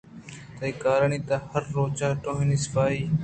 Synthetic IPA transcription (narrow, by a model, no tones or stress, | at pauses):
t̪əiːkaːɾəɳiːt̪aːhəɾːoːt͡ʃaːʈõːɦĩːniːsɪ̥faːiː